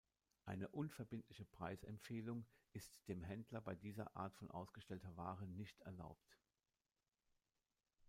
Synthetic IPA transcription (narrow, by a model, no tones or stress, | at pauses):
ʔaɪnəʔʊnfɛɐbɪntlɪçəpʁ̥aɪsɛ̰mfeːlʊŋʔɪstd̥eːmɦɛndlɐbaɪdiːzɐ̰ʔa̰ːɐtfɔnʔa̰ʊsɡ̥əʃtɛltɐvaːʁənɪçtʰɛɐla̰ʊp̚t